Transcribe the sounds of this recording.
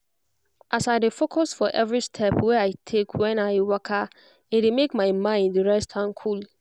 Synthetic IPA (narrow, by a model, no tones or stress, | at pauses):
ʔasaɪdefokʰɔsfɔʔɛvɹistʰɛpʰwɛaɪtʰekʰwɛ̃naɪwɔkʰa | ɪdemekmãɪmãɪ̃ndəɹɛstʰãnkʰul